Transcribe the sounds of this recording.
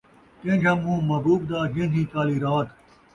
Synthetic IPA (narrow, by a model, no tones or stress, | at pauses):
k̪ẽːd͡ʒʰãːmũːmɐbuːbd̪aːɡẽːd̪ʰʱĩːt̪aːliːɾaːt̪